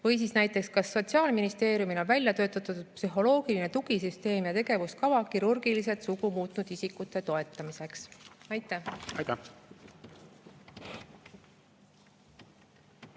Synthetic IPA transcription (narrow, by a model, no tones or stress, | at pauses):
vɤjs̬isnæjt̪ːˑe̞kskɑsːo̞t̪siɑːlminist̪e̞ːɾjumilonvælʲjɑt̪ø̞ːt̪ːˑɑt̪ːud̪̥psyɦo̞lo̞ːɡ̥iline̞t̪uɡ̥is̬yst̪e̞ːmjɑt̪e̞ɡe̞vuskɑvɑkiɾurɡ̥ilis̬e̞t̪suɡumuːt̪ˑnud̪̥isikːˑut̪ːˑe̞t̪o̞e̞t̪ːˑɑmise̞ksɑjt̪ːˑæhɑjt̪æ